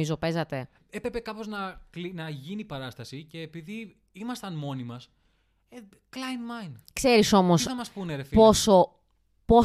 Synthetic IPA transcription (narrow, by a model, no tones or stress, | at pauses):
izo̞pe̞zɐt̪e̞ | epɾe̞pe̞kɐpo̞znɐklinɐʝinipɐɾɐst̪ɐsice̞ːpiði | imɐst̪ɐnmo̞nimɐs | e | klɐjnmɐjnkse̞ɾiso̞mo̞sɐmɐsppuneɾefpo̞so̞ | po̞